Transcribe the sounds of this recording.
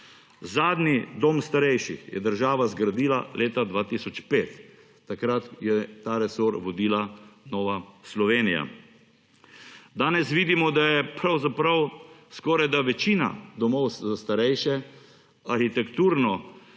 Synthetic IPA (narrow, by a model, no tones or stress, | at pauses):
zaːd̪nid̪oːmst̪aɾɛjʃixjɛ̰d̪əɾʒaːʋazɡɾad̪iːla̰lʔeːt̪ad̪ʋaːt̪isɔt͡ʃpeːt̪ː | akɾat̪jɛt̪aːɾɛsoːɾʋɔd̪iːlanɔːʋaslɔʋeːnija̰ | d̪aːnɛsʋiːd̪imɔd̪ajɛpɾawzapɾɐwskɔːɾajd̪aʋɛt͡ʃiːna̰d̪ɔmɔwzast̪aɾɛjʃɛ | aɾxit̪ɛkt̪uːɾnɔ